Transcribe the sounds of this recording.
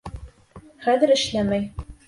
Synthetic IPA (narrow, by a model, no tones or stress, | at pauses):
χæðɘ̆ɾɘ̆ʃlæmæj